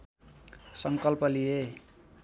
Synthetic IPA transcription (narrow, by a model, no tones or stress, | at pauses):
sʌŋkʌlpʌlije